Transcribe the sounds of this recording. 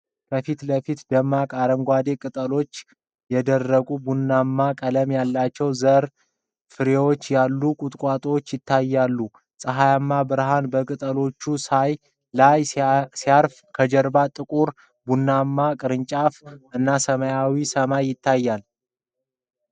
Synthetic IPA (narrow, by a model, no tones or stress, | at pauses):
kʰəfit̪ləfit̪d̪əmːakʼaɾəŋɡʷad̪e̞kʼɨt̪ʼəlo̞t͡ʃː | jɛd̪ərːəɡʼubunːamːakʼələmjalːat͡ʃːɛwzəɾ | fɨɾewo̞t͡ʃːjalːukʼut̪ʼkʼwat̪ʼot͡ʃːjɪt̪ʰːajːalːu | sʼəɦajamːabɨɾɦanbəkʼɨt̪ʼəlo̞t͡ʃːusaj | lajsiaɾf | kʰəd͡ʒəɾbat̪ʼɨkʼuɾ | bunːamːakʼɨɾɨɲt͡ʃʼafʔɨnːasəməjawisəmajːɪt̪ʰːajːal